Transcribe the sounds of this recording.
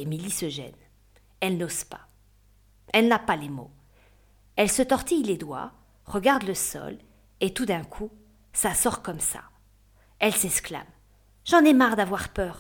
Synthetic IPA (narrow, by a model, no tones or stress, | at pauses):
emilisəʒɛ̰n | ɛlnoz̥pḁ | ɛlnapalemo̰ | ɛlsət̪ɔʁt̪ijled̪wa̰ | ʁəɡaʁd̪ləsɔ̰l | et̪ud̪ɛ̃kʰu | sasɔʁkɔmsa̰ | ɛlsɛskla̰m | ʒɑ̃nɛmaʁd̪avwaʁpœːʁ